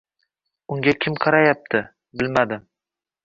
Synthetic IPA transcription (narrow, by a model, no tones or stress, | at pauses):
ʊŋɡʲakʲʰɪmqʰɑɾajap̚t̪ʰɪ | bɪlmad̪ɪ